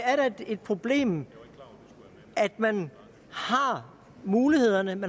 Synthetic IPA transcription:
æɐɾɑde̝d̥̚pʰʁo̝b̥le̝̰ːm | æd̥mæn | hɑ̈ | muːlihe̝ð̞̰ˠɐnəmæn

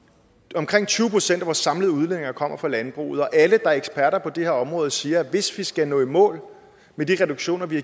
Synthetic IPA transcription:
ɒ̽mkʰʁeŋ̰t͡sʰyːʊəpʰʁosen̰d̥æʋɒsɑ̈mləð̞̩ˠuð̞ˠlenne̝ŋɐkʰɒ̽m̰ɐfʁɑ̈lænb̥ʁṵːð̩ˠɒ̽ʔæləd̥ɑ̈æɐeɡ̥sb̥æɐɾɐpʰɒ̽d̥e̝he̝ɐɒ̽mʁɔ̽ːð̞̩ˠsiːɐʋe̝sʋisɡ̥ænɔ̰̽ːimɔ̰̽ːl | med̥iʁɛd̥oɡ̥ɕo̝̰ːnɐʋi

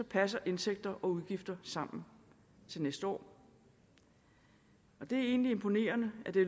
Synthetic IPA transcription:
sɒ̽pʰæs̬ɐʔe̝nseɡ̥̚d̥ɐʔɒ̽uð̞ˠɡ̥ifd̥ɐsɑ̈m̰n̩ | t͡sʰe̝lnesd̥əɒ̰ː | ɒ̽d̥e̝æɐe̝̰ːnlie̝mpʰo̝ne̝̰ːɐnəæd̥e̝

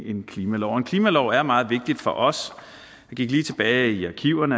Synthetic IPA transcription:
e̝nkʰliːmælɒʊenkʰliːmælɒʊæɐmɑ̈ːð̞̩ˠʋe̝ɡ̥̚d̥id̥fɒ̽ʔɒ̽s | jɑ̈ɡ̥iɡ̥liːt͡sʰe̝b̥ɛːɪiɑ̈kʰiʊ̰ɐnə

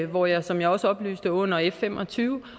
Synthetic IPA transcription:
ʋɒjɑ̈ɪsɒ̽mjɑ̈ɪɒ̽səɒ̽b̥ly̰ːsd̥əɔ̽n̰ɐefem̰ʔɒt͡sʰyːʊ

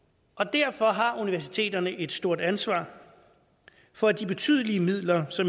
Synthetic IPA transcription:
ʔɒ̽d̥æɐ̰fɒ̽ɦɑ̈uniʋæɐsit͡sʰe̝̰ːd̥ɐnəʔe̝d̥sd̥o̝ɐ̰d̥ænsʋɑ̰̈ː | fɒ̽æd̥ib̥e̝t͡sʰy̰ðˠəliəmið̞̰ˠlɐsɒ̽m

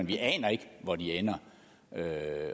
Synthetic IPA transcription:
enʋiʔɛ̰ːnɐe̝ɡ̥ʋɒd̥ienɐ | ø

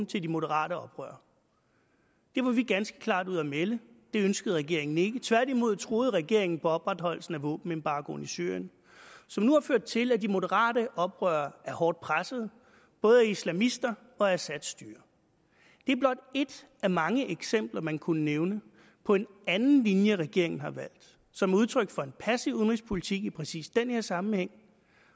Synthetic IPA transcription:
t͡sʰe̝ld̥imo̝dəʁɑ̰̈ːɾəɒ̽b̥ʁœ̰ːɐ | d̥e̝ʋɑ̈ʋiɡ̥ænsɡ̥ə̥kʰlɑ̰̈ːd̥uð̰ˠɐmeləd̥e̝ønsɡ̥əð̩ˠʁɛɡ̥e̝ɐe̝ŋn̩e̝ɡ̥ət͡sʰʋæɐ̰d̥imo̝ð̞̰ˠt͡sʰʁo̝ːð̞̩ˠʁɛɡ̥e̝ɐ̰e̝ŋn̩pʰɒ̽ɒ̽b̥ʁɑ̈d̥hɒ̽l̰l̩sn̩æʋɔ̰ːb̥n̩e̝nb̥ɑ̈ːɡ̥o̰n̩isy̰ɐ̰jən | sɒ̽mnuhɑføɐ̰d̥̚t͡sʰe̝læd̥imo̝dəʁɑ̰̈ːɾ̥əʔɒ̽b̥ʁœːɐæɐhɒːd̥̚pʰʁasəð̞̩ˠ | b̥ɔ̽ːð̩ˠæislæmisd̥ɐ | ɒ̽æsæd̥sd̥yːɐ | d̥e̝æɐb̥lɒ̽d̥e̝d̥ʔæmɑ̈ŋəʔeɡ̥sem̰b̥lɐmænkʰunəneʊnə | pʰɒ̽e̝nænn̩linjəʁɛɡ̥e̝ɐ̰e̝ŋn̩ɦɑ̈ʋæl̰d̥ | sɒ̽muð̞ˠt͡sʰʁœɡ̥fɒ̽e̝npʰæsiuðən̩ʁispʰo̝lit͡sʰiɡ̥ipʰʁɛsḭːsd̥enhe̝ɐsɑ̈mm̩heŋ̰

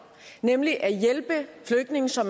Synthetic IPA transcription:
nemliʔæjelb̥əfløɡ̥̚ne̝ŋ̩sɒ̽m

